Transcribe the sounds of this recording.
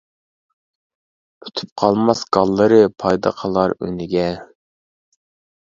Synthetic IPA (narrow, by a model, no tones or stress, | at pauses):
y̥t̪ʰy̥p̚qʰɑlˠmɑsɡ̥ɑlˠːəɾɨpʰɑjd̪ɑ̰qʰəlˠɑɾø̰nɪɡʲɛ